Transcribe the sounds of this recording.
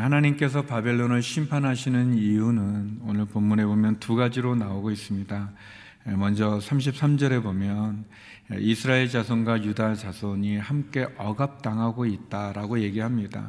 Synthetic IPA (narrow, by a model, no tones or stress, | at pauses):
hanaɲimk͈e̞s̬ʰʌpabe̞ɭːonɯɭɕʰimpʰanɦaɕʰinɯnijunɯnonɯɭpomːune̞bomjʌntuɡad͡ʑiɾonaoɡois͈ɯmɲida | emʌnd͡ʑʌsʰamɕ̬ʰip̚s͈amd͡ʑʌɾe̞bomjʌn | ḛisʰɯɾaeɭd͡ʑasʰonɡwajudat͡ɕasʰoɲihamk͈e̞ʔʌɡap̚t͈aŋɦaɡoit̚t͈aɾaɡoje̞ɡiɦamɲida̰